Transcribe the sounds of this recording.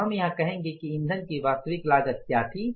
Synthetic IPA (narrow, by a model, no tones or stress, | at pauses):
ɦɐmjɐɦãkɐɦẽːŋ̆ɡekiɪ̃nd̪ʱənkiʋaːst̪əʋɪklaːd͡ʒək̚kjaːt̪ʰiː